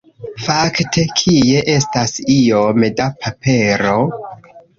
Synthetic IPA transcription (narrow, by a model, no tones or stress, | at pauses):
faktʰe̞kʰie̞ʔe̞stasio̞medapʰape̞ɾo̞